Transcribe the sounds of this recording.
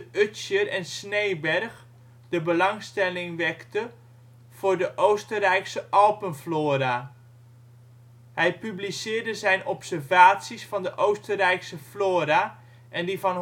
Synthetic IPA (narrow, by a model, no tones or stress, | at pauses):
øsjərɛnsnejbɛrx | dəbəlɑŋstɛlɪŋʋɛktə | v̥ʊːrdəʔowstərɛjksəʔɑlˠpənfloːɾa | hɛjpyblisɪːrdəzɛjnɔpsərvaːtsisfɑndəʔowstərɛjksəfloːɾa | ʔɛndivɑn